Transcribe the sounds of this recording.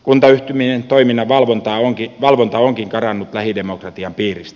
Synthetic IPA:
kunt̪ɑyht̪yminent̪oiminːɑʋɑlʋont̪ɑːoŋkiʋɑlʋont̪ɑoŋkiŋkɑrɑnːut̪læhidemokrɑt̪iɑmpiːrist̪æ

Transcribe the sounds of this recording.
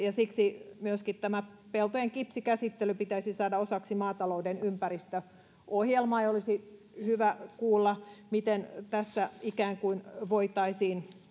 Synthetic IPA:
jɑsiksimyøskit̪t̪æmæ | pelt̪ojeŋkipsikæsit̪ːelypit̪æisisɑːdɑosɑksimɑːt̪ɑloudenympærist̪ø | ʔohjelmɑːejolisi | hyʋækuːlːɑmit̪ent̪æsːæikæːŋkuinʋoit̪ɑisiːn

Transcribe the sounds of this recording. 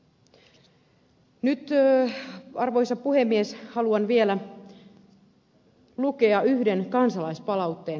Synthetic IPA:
nyt̪ | ɑrʋo̞jsɑpːuhe̞mːieshɑluɑnʋielæ | lukeɑyhde̞nkɑnsɑlɑispɑlɑwt̪ːe̞ːn

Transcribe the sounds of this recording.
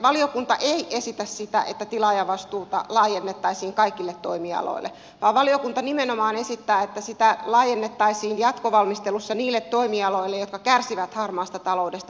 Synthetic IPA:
ʋɑliokunt̪ɑʔeiʔesit̪æssit̪æ̰ʔḛt̪ːæt̪ilɑjɑʋɑst̪uːt̪ɑ̰lɑːjenːet̪ːɑisiːŋkɑikilːet̪ːoimiɑ̰lo̰ilːḛ | ʋɑːʋʋɑliokunt̪ɑnimenomɑːnesit̪ːæːet̪ːæsit̪ælɑːjenːet̪ːɑisiːnjɑt̪koʋɑlmist̪elusːɑniːlːet̪ːoimiɑloilːejot̪kɑkærsiʋæt̪hɑrmɑːst̪ɑt̪ɑlo̞udest̪ɑ

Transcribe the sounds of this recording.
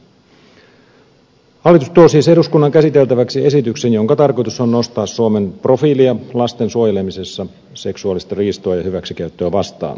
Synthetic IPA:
hɑlːˑit̪ust̪uosiːseɾuskunːɑŋkæsit̪e̞lt̪æʋæksie̞sit̪ykse̞njo̞ŋkɑt̪ɑrko̞jt̪uso̞nno̞st̪ɑːsːuome̞npro̞fiːliɑlɑst̪ensuojele̞mise̞sːɑ | se̞ksuɑlist̪ɑriːst̪oɑjɑhyʋæksik̟æyt̪ːøːʋɑst̪ɑ̰ːn

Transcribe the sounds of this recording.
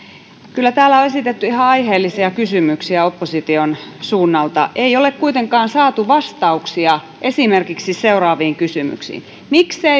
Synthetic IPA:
kylːæt̪æːlːˑæoesit̪et̪ːyihɑɑiheːlːisiɑkysymyksiæopːosit̪ionsuːnːɑlt̪ɑ̰ʔeiolekkuit̪eŋkɑːnsɑːt̪uʋɑst̪ɑuksiɑ | ʔesimerkiksiseurɑːʋiːŋkysymy̰ksḭːn | mikse

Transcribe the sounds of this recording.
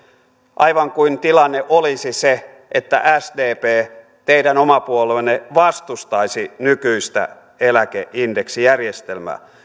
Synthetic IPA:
ʔɑiʋɑŋkuint̪ilɑnːeʔolisise | ʔet̪ːæ̰ʔæsdeːpeː | t̪eidænomɑpuolenːeʋɑst̪ust̪ɑisinykyist̪æ̰ | elækeʔindeksijærjest̪elmæ̰ː

